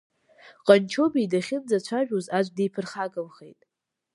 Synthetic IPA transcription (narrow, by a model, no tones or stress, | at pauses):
qʼant͡ʃʰobijdaχʲɪnd͡zat͡ʃʷʰaʒᶣuzad͡ʒʷdejpʰɨrχakʼamχḛjtʼ